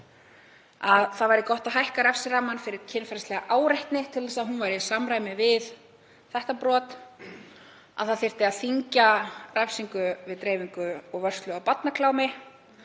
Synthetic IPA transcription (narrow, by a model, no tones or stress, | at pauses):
aðθaðvajɾɪkɔht̪aɦajhkaɾɛfsɪɾamanfɪɾɪɾ̥cʰɪnfɛɾslɛɣaʔaːwɾajht̪nɪt̪ʰɪlθɛsaðɦunvajɾɪsamɾaːjmɪvɪð | θɛht̪apɾɔːt̪ | a̰ðθaðθɪr̥t̪ɪaðθiɲcarɛfsiŋkʏvɪðt̪ɾeːjviŋkʏɔɣvœr̥st̪lʏawpat̪nakʰlaːwmɪ